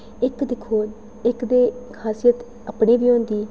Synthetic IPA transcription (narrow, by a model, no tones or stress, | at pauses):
ɪkd̪ɪkʰːoː | ɪkd̪eːkʰaːsijət̪ | əpɽeːbiːõːnd̪iː